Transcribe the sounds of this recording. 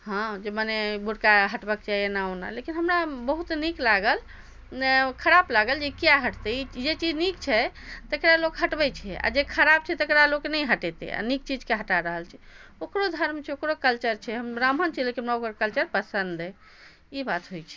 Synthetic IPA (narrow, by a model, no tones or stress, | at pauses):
ɦãd͡ʒemanebʱuɽkaɦəʈbəkt͡ʃaenaona̰lekinɦəmɾabəɦut̪niklaɡəl | nkʰəɾablaɡəld͡ʒekijaɦəʈt̪ɛid͡ʒet͡ʃid͡ʒnikt͡ʃʰɛ | t̪əkɾalokɦəʈbɛt͡ʃʰɛa̰d͡ʒekʰəɾab̚t͡ʃʰɛt̪əkɾalokenɛjɦəʈɛt̪ḛa̰nik̚t͡ʃid͡ʒkeɦəʈaɾəɦəlt͡ʃʰɛokɾod̪ʱəɾmt͡ʃʰɛokɾokəlt͡ʃəɾt͡ʃʰɛɦəmɾamɦənt͡ʃikeɦəmɾaokɾokəlt͡ʃəɾpəsənd̪ɛ | ibat̪ɦojt͡ʃʰɛ̥